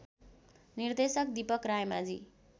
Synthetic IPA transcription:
nird̪esʌk̚d̪ipʌkrajmad͡zḭ

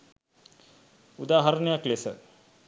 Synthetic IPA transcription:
ud̪aːɦɐɾɐnjakleːsɐ̰

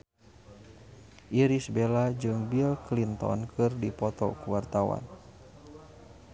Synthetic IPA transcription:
ʔiɾisbelad͡ʒɨŋbilklint̪ɔ̰nkʰɨrdipɔt̪ɔ̰kuwart̪awa̰n

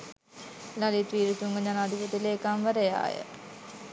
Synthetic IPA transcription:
lalit̪ʋiːɾut̪uŋɡəɲanaad̪ikit̪ileːkamʋəɾəja̰ːjə̰

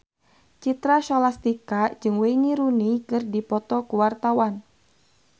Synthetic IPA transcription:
t͡ʃit̪ɾaʃɔlast̪ikad͡ʒɨŋweiniɾunikɨrdipɔt̪ɔkuwart̪awan

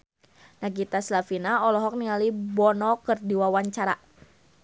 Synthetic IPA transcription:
naɡit̪aslafinaɔlɔɦɔk̚niŋalibɔnɔkɨrdiwawaɲt͡ʃaɾa

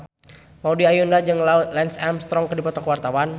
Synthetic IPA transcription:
maudiajundad͡ʒɨŋlaut̪̚lɛnsɛmst̪ɾɔŋkədipɔt̪ɔkəwart̪awan

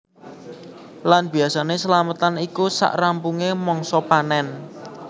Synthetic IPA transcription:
lanb̥i̤asanesəlamət̪anikusa̰ʔrampuŋemɔŋsɔpanɛn

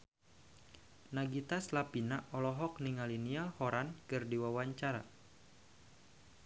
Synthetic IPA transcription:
naɡit̪aslapinaʔɔlɔɦɔk̚niŋalinialhɔɾankɨrdiwawaɲt͡ʃaɾa̰

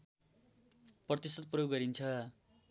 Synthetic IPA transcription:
prʌt̪isʌt̪̚prjokɡʌɾint͡sʰʌ

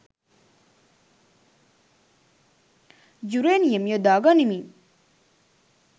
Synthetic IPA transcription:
d͡ʑuɾenijəmjəd̪aɡanimi

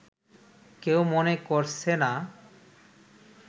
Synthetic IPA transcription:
kewmonekoɾsʰena

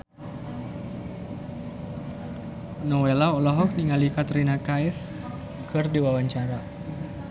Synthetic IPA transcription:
nɔwelaɔlaɦɔk̚niŋalikat̪ɾinakaif | kɨrdiwawaɲt͡ʃaɾa

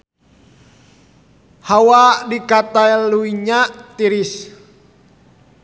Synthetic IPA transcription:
hawadikat̪aɛluiɲaʔt̪iɾis

